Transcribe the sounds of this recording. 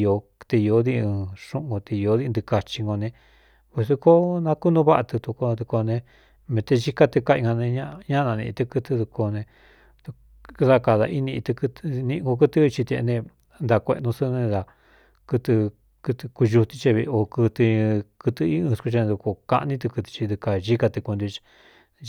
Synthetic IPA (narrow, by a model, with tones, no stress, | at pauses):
jo˧t̪e˧o˧˦ði˧ɨ̃˧ʂũ˧˦ʔɡo˧t̪e˧o˧˦ði˧nd̪ɨ˧ka˧t͡ʃi˧ŋɡo˧nẽ˧ | βu˧su˧ko˦nã˧ku˦nũ˧˦βa˦ʔa˧t̪ɨ˧t̪u˧ko˧d̪u˧ko˧nẽ˧ | mẽ˧t̪e˧ʒi˦˧ka˦t̪ɨ˧ka˧ĩ˧ŋɡa˧nẽ˧ɲã˦ɲã˦nã˧nĩ˧t̪ɨ˧kɨ˧t̪ɨ˧ðu˧ko˧nẽ˧ | t̪u˧˦ | ða˦˧ka˧˨ða˧ʔi˦nĩ˧t̪ɨ˧kɨ˧t̪nĩ˧ɡo˧k̬ɨ˦t̪ɨ˦˧t͡ʃi˧t̪ḛ˧nẽ˧ | nd̪a˧kʷḛ˧ʔnũ˧sɨ˦nẽ˧d̪a˧ | kɨ˧t̪ɨ˧ | kɨ˧t̪ɨ˧ku˧ʒu˧t̪i˧t͡ʃe˧βi˧o˧kɨ˧t̪ɨ˧kɨ˧t̪ɨ˧i˦ɨ̃˧sku˧t͡ʃñ˧d̪u˧ko˧ka̰˧ʔnĩ˦t̪̬ɨ˧kɨ˧t̪i̥˧t͡ʃi˧d̪u˧ka˧ʒi˦ka˧t̪ɨ˧ku˧nd̪u˧t͡ʃi̥˧